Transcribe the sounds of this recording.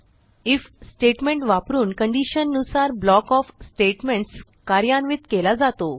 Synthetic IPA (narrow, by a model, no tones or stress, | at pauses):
ifsʈeʈmẽɳʈʋapɾuːnkəɳɖiɕənːusaɾblɔkɔfsʈeʈmeɳʈs | kaɾjanʋit̪kelad͡zat̪o